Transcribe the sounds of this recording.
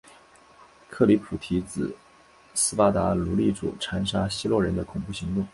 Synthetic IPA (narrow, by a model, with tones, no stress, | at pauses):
kʰɤ˥˩li˧˥pʰu˨˩t̪ʰi˧˥t͡sɹ̩˨˩ | sɹ̩˥fa˥t̪a˧˥lu˧˥li˥˩ʈ͡ʂṵ˨˩ʈ͡ʂʰa˧˥nʂa˥ɕi˥lwɔ˥˩ɻə˧˥nd̪ə˧kʰʊ˨˩ŋpu˥˩ɕi˧˥ŋt̪ʊ˥˩ŋ